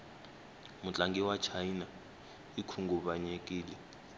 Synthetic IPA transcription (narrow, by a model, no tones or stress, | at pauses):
mut͡ɬʼaŋɡɛwat͡ʃʰajina | ikʰuŋɡuɓaɲekʼiːlɛ